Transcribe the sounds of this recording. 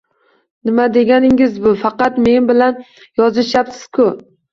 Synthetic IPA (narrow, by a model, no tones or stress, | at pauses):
nɪmad̪e̞ɡʲanɪŋɪzbʊfɑqɑt̪me̞nbɪlan | jɒzɪʃjapsɪz̥kʰʊ